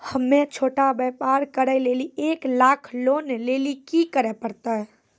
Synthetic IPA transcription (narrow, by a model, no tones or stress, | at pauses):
həmːet͡ʃʰoːʈabɛpaɾkəɾəjlelieklakʰlonlelikikəɾɛpəɾt̪əɦ